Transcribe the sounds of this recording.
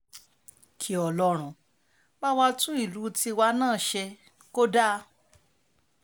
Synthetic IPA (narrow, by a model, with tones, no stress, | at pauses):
kʰi˨˦ɔ˨lɔ˧˦ɾ̃ũ˨ | ba˦wa˧tũ˦i˦˨lu˨˦ti˧wa˧˦nãː˦˨ʃɛ˧ | ko˦da˦˧